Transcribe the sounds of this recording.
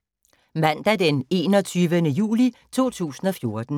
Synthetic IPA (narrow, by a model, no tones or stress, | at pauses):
mæn̰d̥æd̥ene̝̰ːnɒ̽t͡sʰyːʋənəjṵːlit͡sʰo̝̰ːt͡sʰṵːsn̩ɒ̽fjo̝ɐd̥n̩